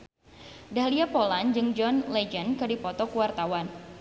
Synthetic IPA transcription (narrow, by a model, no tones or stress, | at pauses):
dahliapoland͡ʒɨŋd͡ʒɔnlɛd͡ʒənkɨdipɔt̪ɔkuwart̪awan